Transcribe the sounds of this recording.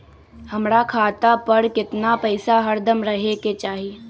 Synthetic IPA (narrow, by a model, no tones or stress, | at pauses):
hɐmɾakʰaːt̪apəɾkɪt̪napɐɪsaɦəɾd̪ʱəmɾɐɦeket͡ʃaːɦie